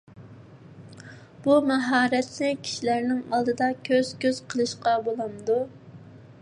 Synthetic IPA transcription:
b̥umɛɦɑːɾɛt̪nɪkʲʰi̥ʃilæɾnɪŋɑlˠd̪ɨd̪ɑkʲʰøz̥kʲøz̥qʰəlˠɨʃqɑbolˠɑmd̪u

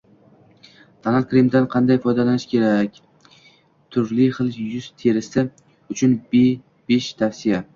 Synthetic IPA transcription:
t̪ʰanakʲɾimd̪anqʰɑnd̪ajfɒjd̪alanɪʃkʲʰe̞ɾakʲ | t̪ʰʊɾlɪχɨlˠjʊz̥t̪ʰe̞ɾɪsɪ | ʊt͡ʃʰʊnbe | beʃt̪ʰafsɪja

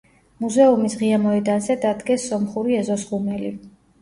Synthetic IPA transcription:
muzɛumisʁiamɔɛd̪anzɛd̪ad̪ɡɛsːɔmχuɾiɛzɔsɡumɛlḭ

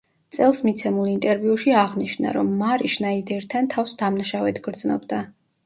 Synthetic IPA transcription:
t̪sʼɛlˠsmit̪sʰɛmulˠint̪ʼɛɾviuʃiaʁniʃna̰ɾɔmːaɾiʃnaid̪ɛɾt̪ʰant̪ʰafsd̪amnaʃavɛt̪ʰɡ̥ɾd̪znɔbd̪a

